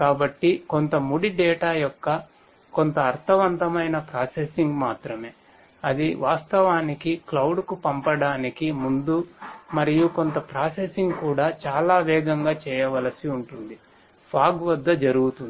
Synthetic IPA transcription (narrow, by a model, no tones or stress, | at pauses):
kaːbɐʈːiko̞nt̪ɐmuɽiɖɛːʈaːjɔkːɐ | ko̞nt̪ɐːɾt̪ʰɐʋɐnt̪ɐmɐjnɐpɾaːsesiŋɡmaːt̪ɾɐme̞ː | ɐd̪iʋʔaːst̪ɐʋaːnikiklɐwɖkupɐmpɐɽaːnikimund̪umɐɾijuko̞nt̪ɐpɾaːsesiŋɡkuːɽaːt͡ʃaːlaːʋɛːɡɐŋɡaːt͡ʃɛːjɐʋɐlɐsiuɳʈund̪i | pʰaːɡʋɐd̪ːɐd͡ʒɐɾuɡut̪un